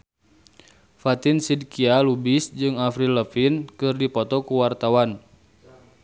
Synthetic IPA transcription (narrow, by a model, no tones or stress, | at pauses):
fat̪insid̚kialubisd͡ʒɨŋafɾiləfinkɨrdipɔt̪ɔkuwart̪awan